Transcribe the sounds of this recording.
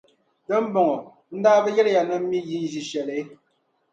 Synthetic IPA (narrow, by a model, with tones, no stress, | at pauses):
tɛ˦m̩˦bɔ˨ŋɔ˨ | n̩˦daː˦bɛ˦ɣɛ˦ɾja˨nɛ˦mi˦ji˦n̩˦d͡ʒi˨ʃɛ˨le˨˦